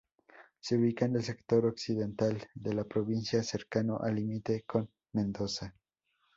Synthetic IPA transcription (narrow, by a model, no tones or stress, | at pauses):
seuβikanelse̞kt̪o̞ɾoksiðe̞nt̪ald̪e̞lapɾoβinsjase̞ɾkanoʔalimit̪eko̞n | mẽnd̪o̞sa